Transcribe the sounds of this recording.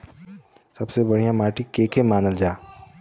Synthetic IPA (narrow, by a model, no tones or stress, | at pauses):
sɐbsebɐɽ̤ijãmaːʈikeːkemaːnəld͡ʒaː